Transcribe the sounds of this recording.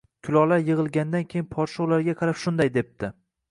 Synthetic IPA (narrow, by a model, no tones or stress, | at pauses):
kʲʰʊlˠɒlaɾjɨʁɨlˠɡʲand̪ankʲʰejɪnpʰɒɾʃowlaɾɡʲaqʰɑɾapʃʊnd̪ajd̪e̞p̚t̪ʰɪ